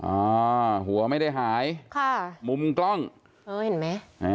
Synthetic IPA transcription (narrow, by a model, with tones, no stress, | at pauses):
ʔɔː˧˩˦ɦu˩˦ɐma˥˩jda˥˩jɦaː˩˦jkʰɔː˥˩mu˧mklɔ˥˩ŋ | ʔɤː˧˩he˨˩˦nma˦˥ʔa˧